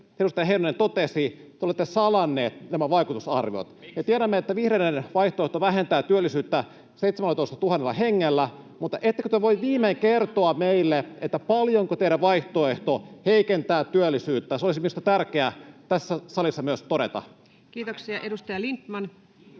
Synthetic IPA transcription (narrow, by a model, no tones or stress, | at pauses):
eɾust̪ɑjɑɦeinonent̪ot̪esit̪eolet̪ːesɑlɑnːeːt̪næmæʋɑikut̪usɑ̰rʋio̰t̪met̪ieɾæmːeet̪ːæʋihɾeinːenʋɑiht̪oeht̪oʋæɦent̪æːt̪yølːisyːt̪ːæ | seit̪semælːˑæt̪oist̪ɑt̪uhɑnːelːɑ̰heŋːelːæ | mut̪ːˑɑʔet̪ːekøt̪øʋoiʋʋiːmeŋkert̪oɑmeilːeʔet̪ːæpɑljoŋkot̪ejɾæʋɑiht̪oeht̪oheikent̪æːt̪yølːisyːt̪ːæseolisiminust̪ɑt̪ærkeæt̪æsːæsɑlisːɑmyøst̪oɾḛt̪ɑ̰ | kiːt̪oksiɑʔedust̪ɑjɑlint̪mɑn